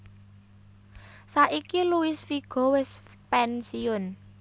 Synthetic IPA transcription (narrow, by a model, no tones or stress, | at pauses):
saʔikiluisfiɡ̥ɔ̤wɪs | pɛnsiʊn